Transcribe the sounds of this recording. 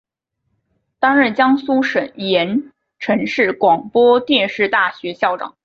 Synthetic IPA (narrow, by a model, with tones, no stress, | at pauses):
t̪a˥ŋɻə˥˩nt͡ɕjɑ˥ŋsu˥ʂə˨˩˦njɛ˧˥n | ʈ͡ʂʰɤ˧˥ŋʂɻ̩˥˩kwɑ˨˩ŋpwɔ˥t̪jɛ˥˧nʂɻ̩˥˧t̪a˥˩ɕɥɛ˧˥ɕjɑ˥˩ʊʈ͡ʂɑ̰˨˩˦ŋ